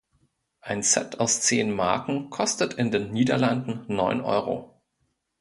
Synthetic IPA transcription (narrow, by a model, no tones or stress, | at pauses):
ʔaɪnt͡sɛ̰tʰaʊst͡seːnmaɐkŋ̩kʰɔstətʰɪndeːnniːdɐlandn̩nɔʏnʔɔ̰ʏʁo̰